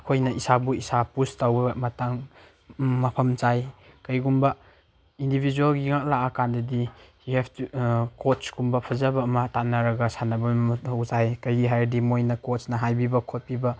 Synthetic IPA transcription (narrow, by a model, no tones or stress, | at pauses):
ɐkʰojnɐʔisabuisapustawbɐmɐtaŋ | mɐpʰɐmt͡ʃajkɐjɡumbɐ | indibʱid͡ʒualɡiŋak̚laʔakandɐdijuhɛbʰtukotsɡumbɐpʰɐzabɐːmɐtanɐɾɐɡɐsanɐbɐwzajkɐjɡiɦajdimojnɐkosnɐɦajbibɐkʰot̚pibɐ